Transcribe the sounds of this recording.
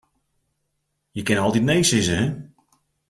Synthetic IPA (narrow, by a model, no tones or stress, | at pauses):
jəkɪnɔlˠtitnejsɪzəɦɛ